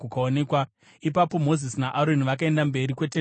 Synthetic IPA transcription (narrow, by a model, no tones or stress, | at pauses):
kukaonekwa | ipapo̞mo̞zisinaʔaɾoniʋak̬ae̞ndambe̞ɾikwe̞te